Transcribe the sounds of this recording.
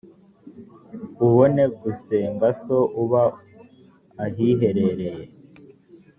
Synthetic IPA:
uβone̞ɡuseːmbasoʔuβa | ɦiɦe̞ɾe̞ɾe̞je

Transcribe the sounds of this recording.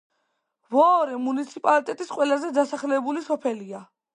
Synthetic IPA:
vɔɔɾɛmunit̪sʰipʼalit̪ʼɛt̪ʼisqʼwɛlazɛd̪asaχlɛbulisɔpʰɛlia

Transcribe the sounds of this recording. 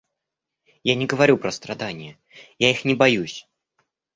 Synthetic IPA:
janʲɪɡəvaɾʲupɾəst̪ɾad̪anʲɪjə | jaixnʲɪbajusʲ

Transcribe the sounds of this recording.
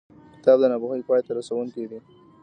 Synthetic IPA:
kɪ̥t̪ɑb̚d̪ənɑbuxəjpɑjt̪aɾasawʊŋkid̪i

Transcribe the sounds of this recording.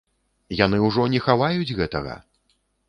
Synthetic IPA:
jan̪ɨwʐɔnʲɛxavajud͡zʲɣɛt̪ɐɣɐ̰

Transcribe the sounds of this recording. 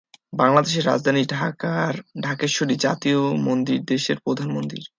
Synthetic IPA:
baŋlad̪eʃ̬eɾːa̰d͡ʑd̪ʱaniɖʱakaɾɖʱakeʃoɖid͡ʑa̰t̪iomond̪iɾd̪eʃeɾpɾod̪ʱanmond̪ḭɾ

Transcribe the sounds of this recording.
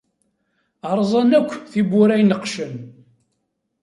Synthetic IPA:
ɑɾˤzˤɑnækʷːθibʊɾæjnəqʃən

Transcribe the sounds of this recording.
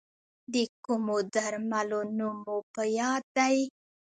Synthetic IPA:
d̪əkumod̪aɾmalonumopəjɑd̪ːaj

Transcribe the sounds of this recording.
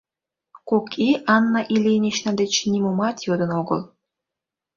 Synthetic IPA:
kokʰiʔɑnːɑʔilʲenʲeɕnɑd̪et͡ɕnʲimomɑt̪jod̪ə̆noɡə̰l

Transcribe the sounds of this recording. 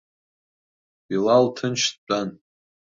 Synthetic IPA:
ilaltʰɨnt͡ʃʰtt͡pʼan

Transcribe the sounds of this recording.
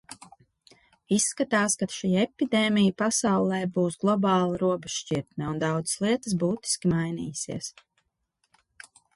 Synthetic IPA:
isːkat̪aːskat̪ʃiːɛpid̪eːmijpasawlˠɛːbuːsɡlˠɔbɑːlˠaɾuɔbɛʃʃt͡ʃiɾt̪nɛund̪awd̪zə̥slˠiɛt̪əsbuːt̪i̥skʲimajnḭːjsḭɛs

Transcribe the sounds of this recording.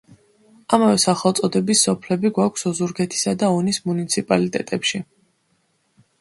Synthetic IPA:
amavɛsaχɛlˠt̪sʼɔd̪ɛbisːɔpʰlɛbiɡwakʷʰsɔzuɾɡɛt̪ʰi̥sad̪aɔnismunit̪sʰipʼalit̪ʼɛt̪ʼɛpʃi

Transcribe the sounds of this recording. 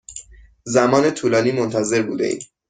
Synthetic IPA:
zæmɒːne̞t̪ʰuːlɒːniːmont̪ʰæze̞ɾbuːd̪ḛʔḭːm

